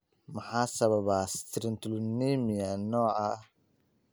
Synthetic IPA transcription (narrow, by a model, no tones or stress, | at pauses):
mɐħaːsɐβɐβast̪ʰɾɪnt̪ʰlniːmɪjɐnɔːɐ